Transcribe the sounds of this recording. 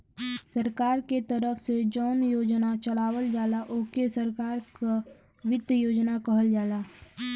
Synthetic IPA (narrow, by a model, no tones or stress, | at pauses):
səɾkaːɾket̪ɐɾəfsed͡ʒɔːnjoːd͡ʒnat͡ʃɐlaːwəld͡ʒaːlaʔʊːkesəɾkaːɾka | ʋɪd̪əjoːd͡ʒnakɐɦəld͡ʒaːlaː